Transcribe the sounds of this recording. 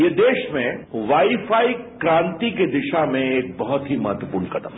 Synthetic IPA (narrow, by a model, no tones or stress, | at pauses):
jed̪eːʃmẽʋaːifaːikɾãːnt̪iked̪ɪʃamẽeːk̚bɐɦʊt̪ɦimɐɦət̪ʋəpuːɾnkɐt̪əm